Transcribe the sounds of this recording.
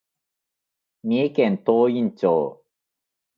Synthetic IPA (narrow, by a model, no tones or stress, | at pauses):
mʲiekẽnt̪oːĩɲt͡ɕoː